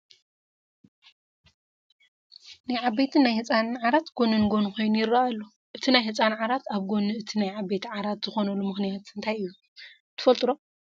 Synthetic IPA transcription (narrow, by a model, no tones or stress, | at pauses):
najʕabet̪ʰinajhɨt͡sʼanʕaɾat̪ɡ̥onɨnɨɡo̞nuxo̞jnujɪɾːaalːo | ʔɨt̪ʰinajɦɨt͡sʼanʕaɾat̪ʰaβɡonɨɨt̪ʰinajʕabːet̪ʰʕaɾat̪z̥ɨxo̞nɐlːumɨxnijat̪ɨnt̪ʰajɨjːu | t̪ʰɨ̥fɐlt̪ʼɨɾo